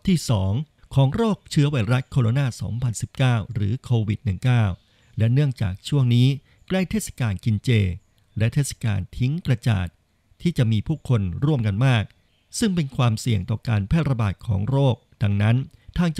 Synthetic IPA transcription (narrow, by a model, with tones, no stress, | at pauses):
t̪ʰiː˥˩sɔː˩˦ŋ | kʰɔː˩˦ŋɾoː˥˩k̚t͡ɕʰɯ˦˥ɐwaː˧jɾa˦˥kʰoː˧ɾo˧naː˥˩sɔ̰ː˩˦ŋpʰa˧nsi˨˩p̚kaː˥˩wɾɯː˩˦kʰoː˧wi˨˩t̪̚nɯ˨˩ŋkaː˥˩w | lɛ˦˥nɯ˥˩əŋt͡ɕa̰ː˨˩k̚t͡ɕʰu˥˩əŋniː˦˥ | kla˥˩jt̪ʰeː˥˩t̚sḁ˧kaː˧nki˧nt͡ɕeː˧ | lɛ˦˥ʔt̪ʰeː˥˩sḁ˧ka̰ː˧nt̪ʰi˦˥ŋkɾa˧t͡ɕa̰ː˨˩t̪̚ | t̪ʰːiː˥˩t͡ɕa˨˩ʔmiː˧pʰuː˥˩kʰo˧nɾu˥˩əmka˧nmaː˥˩k̚ | sɯ˥˩ŋpe˧nkʰwaː˧msi˨˩əŋt̪ɔː˨˩kaː˧npʰɛː˥˩t̪̚ɾa˧baː˨˩t̪̚kʰɔ̰ː˩˦ŋɾoː˥˩k̚da˧ŋna˦˥nt̪ʰaː˧˩ŋt͡ɕ